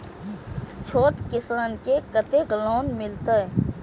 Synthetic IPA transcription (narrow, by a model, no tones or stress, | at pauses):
t͡ʃʰoːʈkɪsaːnkekət̪eɡloːnmɪlt̪a